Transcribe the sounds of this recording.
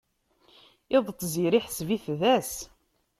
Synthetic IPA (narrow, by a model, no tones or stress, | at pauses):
ɪðˤt̪ˤziɾiħsviθðæs